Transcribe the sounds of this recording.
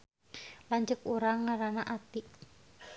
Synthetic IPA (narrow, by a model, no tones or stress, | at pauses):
laɲt͡ʃəkuɾaŋːaɾanaʔat̪i